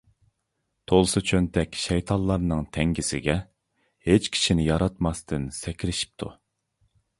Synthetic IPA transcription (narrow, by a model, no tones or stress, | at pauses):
t̪ʰolˠsɨt͡ʃʰønt̪ʰɛkʲʃɛjt̪ʰɑnlˠːɑɾnɨŋt̪ʰɛŋɡʲisɪ̰ɡʲɛ | het͡ʃkʲʰi̥ʃinɪjɑɾɑt̪mɑst̪ʰɨnsɛkʲɾɪʃi̥p̚t̪ʰu